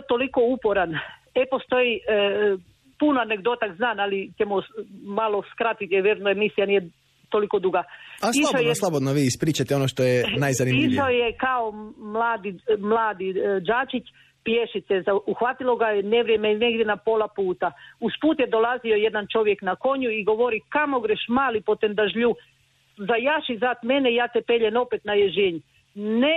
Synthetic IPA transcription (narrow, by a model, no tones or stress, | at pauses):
t̪oliko̞upo̞ɾanepo̞st̪o̞i | punoane̞ɡd̪o̞t̪akznaːnalit͡ɕemumalo̞skɾat̪it̪jeʋjeɾnoemisijanije | t̪o̞liko̞d̪uɡaaspliaʃʃaojslˠabod̪noʋiːispɾiːt͡ʃat̪eonoʃt̪ojenajzanimpiʃaoje̞kaomlˠaːd̪imlˠaːd̪id͡ʒaːt͡ʃit͡ɕ | pje̞ʃit̪sezauxʋat̪ilo̞ɡajene̞ʋɾje̞mene̞ɡdʲjenapo̞lˠapuːt̪auspuːt̪jed̪o̞lˠazio̞je̞d̪ant͡ʃo̞ʋje̞knako̞ɲuiɡo̞ʋo̞ɾikamoɡɾeʃmaːlipo̞t̪end̪aʒʎu | zajaʃizaːt̪me̞neijaːt̪e̞pe̞ʎeno̞pet̪najeʒeɲ | ne